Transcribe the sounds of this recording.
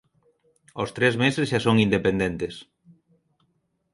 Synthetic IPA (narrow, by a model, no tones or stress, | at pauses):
ost̪ɾezmesezʃasoŋind̪epẽnd̪ẽnt̪es